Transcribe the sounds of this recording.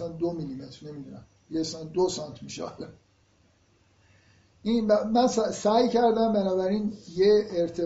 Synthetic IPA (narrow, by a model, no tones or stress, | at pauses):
sænd̪omilimet̪ɾne̞mid̪unæm | biesænd̪osɑnt̪ʰmiʃḛɒ̰le | ʔinæmænsæsæːjcʰæɾd̪æmbænɒːbæɾinjeːɾt̪ʰe